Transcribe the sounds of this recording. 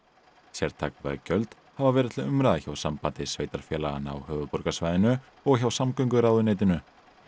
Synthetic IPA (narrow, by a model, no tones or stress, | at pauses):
sɛɾ̥t̪ʰa̰kva̰cœlt̪ | havavɛːɾɪt̪ʰɪlʏmɾaðaçawsampant̪ɪsveːjt̪aɾ̥fjɛːlaɣa̰na̰whœːvʏpɔɾkasvajðɪnʏ | ɔɣçawsamkœŋkʏɾawðʏneːt̪ɪnʏ